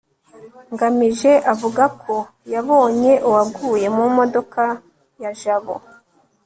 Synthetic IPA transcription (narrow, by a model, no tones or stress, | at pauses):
ŋɡamiʒe̞ʔavuɡakʰo̞ | jaβo̞ːɲe̞ʔuwabɡuːje̞mumo̞do̞ka | jaʒaβo̰